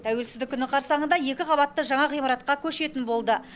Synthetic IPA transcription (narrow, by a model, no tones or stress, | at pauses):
t̪ʰæwe̞lsɪzd̪ɪkʲʰːʏnɪqʰɑɾsɑɴənd̪ɑje̞kʲɪqʰɑβɑt̪ːəʒɑɴɑqijmɑɾɑt̪̚qɑkʲʰɵʃe̞t̪ɪnbo̞lˠd̪ə